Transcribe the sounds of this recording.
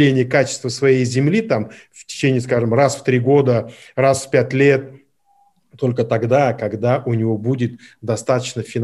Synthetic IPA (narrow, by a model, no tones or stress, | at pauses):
lʲenʲɪjəkat͡ɕɪ̥st̪vəsvɐjejzʲɪmlʲit̪am | ftʲɪ̥t͡ɕenʲɪːskaʐɨmrasft̪ɾʲiɡo̞d̪ərasfpʲætʲlʲe̞t̪̚ː | o̞lʲkət̪ɐɡd̪akɐɡd̪aʔʊnʲɪvo̞budʲɪt̪̚d̪ɐst̪at̪ət͡ɕnəfʲɪn